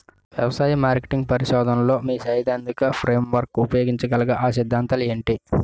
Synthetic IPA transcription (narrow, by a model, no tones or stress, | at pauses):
ʋjɐʋɐsaːjɐmaːɾke̥ʈiŋɡ̚pɐɾiʃɔːd̪ʱɐnlo̞ːmiːsɐjd̪ɐnd̪ikɐpʰɾe̞ːmʋɐɾkːupɐjoːɡiɲt͡ʃɐɡɐlɐɡɐʔaːʃid̪ʱːaːnt̪ɐle̞ːɳʈi